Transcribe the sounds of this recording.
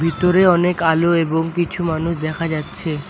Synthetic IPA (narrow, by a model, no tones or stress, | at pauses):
bʱit̪oɾeɔnekaloeboŋkit͡ɕʰumanuʃd̪ɛkʰad͡ʑatːɕʰe